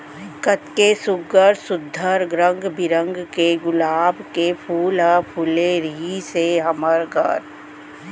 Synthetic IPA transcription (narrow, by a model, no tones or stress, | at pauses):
kət̪kesʊɡəɾsʊd̪ʱːəɾɡɾə̃ŋɡbɪɾə̃ŋɡkeɡʊlaːbkepʰuːlɦəpʰʊleɾiseɦɐməɾkə̰ɾ